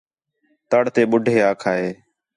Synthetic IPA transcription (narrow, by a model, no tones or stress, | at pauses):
t̪əɽt̪eːɓʊɖʱeːaːkʰaːɦeː